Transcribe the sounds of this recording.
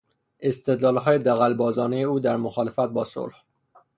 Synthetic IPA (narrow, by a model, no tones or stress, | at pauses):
ʔe̞st̪e̞d̪lɒːlɦɒːjed̪æɣælbɒːzɒːnejeuːd̪æɾmoxɒːle̞fæt̪̚bɒːso̰lh